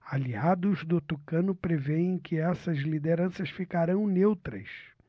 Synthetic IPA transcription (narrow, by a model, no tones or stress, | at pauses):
aliad̪ʊzd̪ʊt̪ukɐ̃nʊpɾeveẽkʰɪɛsɐzlid̪eɾɐ̃sɐsfikaɾɐ̃w̃newt̪ɾɐ̰s